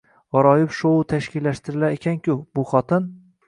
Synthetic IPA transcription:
ɒɾɒjɪpʃowʊt̪ʰaʃkʲɪlːaʃt̪ɪɾɪlaekʲʰankʲʰʊbʊχɒt̪ʰɪn

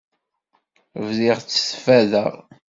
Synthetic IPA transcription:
vziʁt͡sːə̥sfæðəʁ

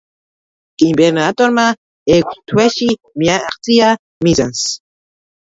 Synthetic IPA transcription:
imbɛɾnat̪ʼɔɾma | ɛkʷʰst̪ʰwɛʃi | miaaqt̪ʼia | miza̰ns

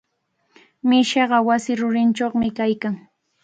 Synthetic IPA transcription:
mɪʃɑɢɑwasɪɾʊɾɪnt͡ʃoχmɪkajkaŋ

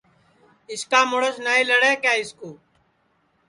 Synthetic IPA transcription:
ɪskaːmʊɽəsnaːiːləɽeːkjaːɪskuː

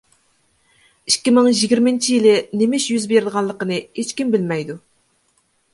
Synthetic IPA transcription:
ikʲːimɪŋʒiɡʲiɾmɪnt͡ʃʰijilɪnemɪʃjyzbeɾɪd̪əʁɑnlˠəqənɨhet͡ʃkʲimbɪlmɛjd̪u

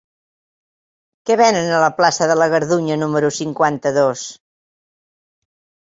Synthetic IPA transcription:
kɛβɛnənələplasəðələɣəɾðuɲənuməɾusiŋkwant̪əðos

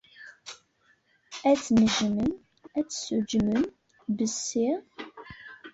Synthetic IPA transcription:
æt͡sːnəʒmən | æt͡sːsud͡ʒmən | bəsːiʁ

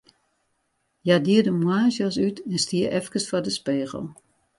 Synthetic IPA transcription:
jadiədəmwaːʒjɔs̬ytɛnstiəʔɛfkəsfɔdəspeːɣə̰l̩ˠ

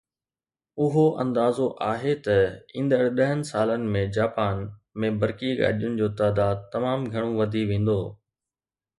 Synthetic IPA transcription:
ʊɦoʔɐ̰̃nd̪aːzoʔaːɦet̪ɐĩːnd̪əɽ̤ɗɐɦənɪ̆saːlənɪ̆mẽd͡ʑaːpaːnmẽbɐɾkiɡa̰ːɗijʊnɪ̆d͡ʑoːt̪aːd̪aːd̪̚t̪ːɐmaːmɡʱɐɽ̃õʋɐd̪ʱiʋẽːn̆d̪oː

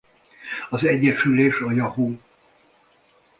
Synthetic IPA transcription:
ɒzɛɟːɛʃyleːʃɒjɒɦuː

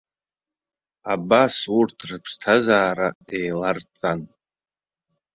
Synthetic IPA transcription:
abasurtʰrɨpʰstʰazaːɾae̞jlart͡sʼan

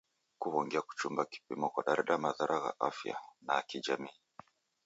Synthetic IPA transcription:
kuβɔŋɡɛaku̥t͡ʃumbaki̥pḭmɔkwaɗaɾɛɗamaðaɾʔaɣa̰ʔafja̰nakid͡ʒamiː

